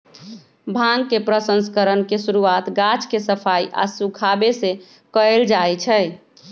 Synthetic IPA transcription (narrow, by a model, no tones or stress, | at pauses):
bʱãŋɡkepɾəsənskəɾənkesuɾuat̪ɡat͡ʃkesəpʰaiʔa̰sukʰabese | kəeld͡ʒajt͡ʃʰɛ